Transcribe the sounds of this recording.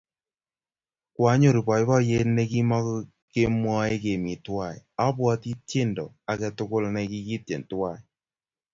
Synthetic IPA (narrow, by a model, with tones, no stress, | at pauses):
kwa˦ɲo˨ɾi˨pɔ˨jbɔ˦je˦tnɛ˧ki˦mɔ˦k | ke˦mwɔ˦e˦ke˨mi˨twa˨ja˦pwɔ˦ti˦te˦ndɔ̰˨ | a˨kɛ˧tʊ˦kʊ˦lnɛ˧ki˦ki˦t̚e˨ntwa˦˨j